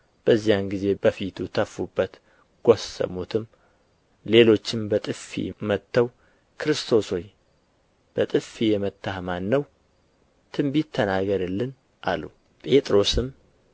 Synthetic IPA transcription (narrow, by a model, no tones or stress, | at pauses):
b̥əzːijanɡize̞bəfit̪ʰut̪ʰəfːubːət̪ | ɡ̥osːə̰mut̪ʰɨm | le̞lo̞t͡ʃːɪmbət̪ʼɨfḭmət̪ːəw | kʰɨɾɨst̪ʰo̞soɲ | b̥ət̪ʼɨfijɛmət̪ʰːahmanːəw | t̪ʰɨmbit̪ʰːənaɡəɾɨlːɨn | ʔa̰lːṵ | pʼe̞t̪ʼɾo̞sɨm